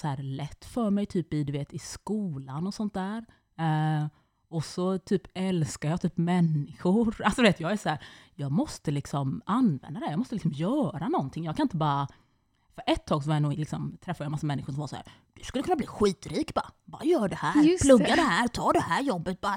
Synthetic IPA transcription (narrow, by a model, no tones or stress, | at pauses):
shæːɾlɛt̪ːfœɾmɛjt̪ʰyːpɪd̪ɵveːt̪ɪskuːlanɔsɔnt̪̚d̪æːɾ | ɔsɔt̪ʰyːpɛlskaɾjɑːt̪ʰyːpmɛnːɪɧʊɾalsɔd̪veːt̪jɑːɡæʂɔhæːɾjɑːɡmɔst̪əlɪksɔmanvɛ̰nd̪ad̪ɛjɑːɡmɔst̪əlɪks̬ɔmjœːɾanɔnt̪ʰɪŋːjɑːɡkʰanɪnt̪əbɑːɾa | fœɾʔɛt̪ʰːɑːɡsɔvajanuːɡlɪksɔmt̪ʰɾɛfːd̪jmasːamɛnːɪɧʊʂɔmvasɔhæ̰ːɾ | d̪̥ɵ̥skɵlːəkɵnabliːɧiːt̪ɾiːkbɑ̰bɑ̰ːɾajœːɖɛhæːɾpʰlɵɡːad̪ɛɦæːɾt̪ʰɑːɖɛhæːɾjɔbːət̪̚bɑːɾ